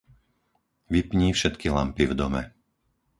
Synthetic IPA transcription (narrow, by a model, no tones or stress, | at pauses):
ʋipɲiːfʃɛt̪kiɦlampivd̪ɔmɛ̰